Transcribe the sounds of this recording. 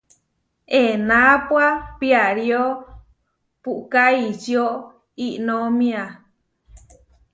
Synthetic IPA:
enãpwapiaɾjo | puʔkait͡ʃio | iʔnõmĩa

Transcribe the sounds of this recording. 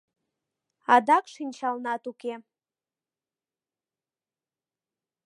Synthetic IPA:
adakʼʂint͡ʃʰalnatukʰʲe

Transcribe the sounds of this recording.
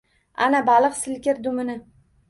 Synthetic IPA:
a̰nabalˠɨqsɪlkʲɪɾd̪ʊmɪnɪ

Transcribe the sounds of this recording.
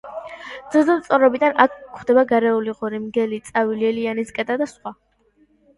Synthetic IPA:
d̪z̥ilˠzɛt̪sʼɔɾɔbid̪anakʰːχd̪ɛbaɡaɾɛuliʁɔɾimɡɛlit̪sʼaviliɛlianiskʼɛd̪ʼad̪asχwa

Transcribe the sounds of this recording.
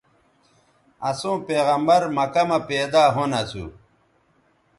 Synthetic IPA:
ɐsõːpeːɣɐmbɐɾmɐkɐmɐpeːd̪aːɦonɐsṵ

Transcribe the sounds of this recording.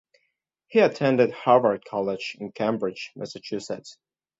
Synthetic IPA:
hiɨtʰɛ̃ndɨd̚hɑɹvə˞d̚kʰɑlˠɪd͡ʒɪ̃nkʰẽmbɹɪ̥d͡ʒmʔɛsət͡ʃʰʉsɛts

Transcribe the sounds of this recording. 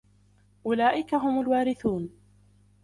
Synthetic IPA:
ʔʊlaːʔɪkaɦʊmalwaːɾɪθuːn

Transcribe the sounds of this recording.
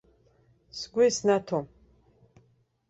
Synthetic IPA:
sɡʷijsnatʰom

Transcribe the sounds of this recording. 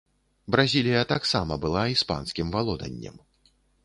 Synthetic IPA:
bɾazʲilʲijɐt̪aksamɐbɨlˠaispa̰nskʲimvalˠɔd̪ɐ̰nʲːɐ̰m

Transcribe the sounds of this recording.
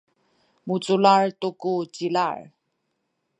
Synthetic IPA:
mut͡sulaɹtukut͡ɕila̰ɹ

